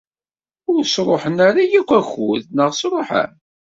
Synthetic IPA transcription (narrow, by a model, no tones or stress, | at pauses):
ʊɾsɾˤoħənaɾˤajikʷːæçʊðnəʁsɾˤoħə̰n